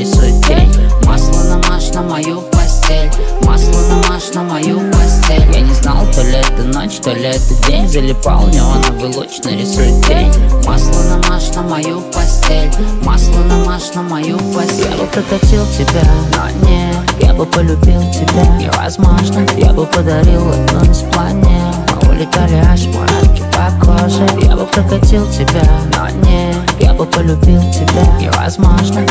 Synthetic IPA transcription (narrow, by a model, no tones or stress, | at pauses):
ɾʲɪsuɪt̪̚dʲenʲmaslˠəd̪amaʂnəmɐjupɐsʲtʲelʲmaslˠəd̪amaʂnəmɐjupɐsʲtʲelʲja̰nʲɪznalˠt̪olʲɛt̪əno̰t͡ɕt̪olʲɛt̪ədʲenʲzəlʲɪpa̰lˠnʲɛɐnabɨlˠo̰t͡ɕnəɾʲɪsujɪt̪̚dʲenʲmaslˠəd̪amaʂnəmɐjupɐsʲtʲelʲmaslˠəd̪amaʂnəmɐjupɐsʲja̰bɨpɾəkɐtʲilˠtʲɪbʲana̰nʲeja̰bɨpəlʲʊbʲilˠtʲɪbʲaɪ̰ɾɐ̰zmɔʐnəja̰bɨpəd̪ɐɾʲilˠɐ̰dnonʲɪsplˠanʲe | mɐ̰ʊ̰lʲɪt̪ʲalʲɪaʂmɐ̰ɾa̰kʲɪ̥pɐkɔʂəja̰bɨpɾəkɐtʲilˠtʲɪbʲana̰nʲe | ja̰bɨpəlʲʊbʲilˠtʲɪbʲaɪ̰ɾɐ̰zmɔʐnə